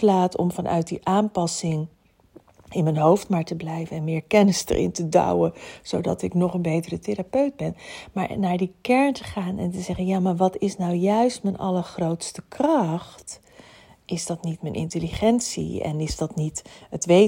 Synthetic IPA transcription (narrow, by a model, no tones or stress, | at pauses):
laːtɔ̰mvɑnʔœ̰ɥt̚diʔaːmpɑsɪŋ | ɪnmənɦowftmaːɹtəblɛjvənɛnmɪːɹkɛnɪsdə̰ɹʔɪ̰ntədɑ̰wəz̥owdɑ̰tɪknɔχənbejtərəteɾapœɥd̚bɛnmaːɹnaːɹdikɛɹntəχaːnʔɛ̰ntəzɛχənjaːmaːɹʋɑtɪsnawjœɥstmənʔɑ̰ləɹχrowtstəkrɑχt | ʔɪzdɑtnitmənʔɪ̰ntəliχɛntsḭɛ̰nɪzdɑtnitətʋe